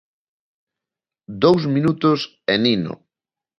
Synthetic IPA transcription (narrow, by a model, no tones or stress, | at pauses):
d̪owsmĩnut̪ʊs | eninʊ̰